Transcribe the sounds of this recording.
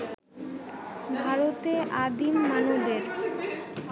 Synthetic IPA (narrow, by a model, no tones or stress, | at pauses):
bʱaɾot̪eʔad̪imːanobeɾ